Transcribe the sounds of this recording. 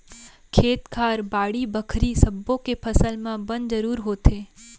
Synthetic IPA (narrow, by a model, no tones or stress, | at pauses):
kʰeːt̪kʰaːɾbaːɽibɐkʰɾisɐbːõkepʰɐsəlmẽbɐ̃nzɐɾuːɾɦoːt̪eː